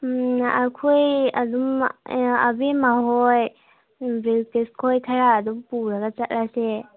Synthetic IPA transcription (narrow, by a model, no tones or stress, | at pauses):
a̰kʰuja̰dum | a̰bimaɦoj | biltiskʰojtkʰajaːdumpuɾaɡat͡ʃat̚lase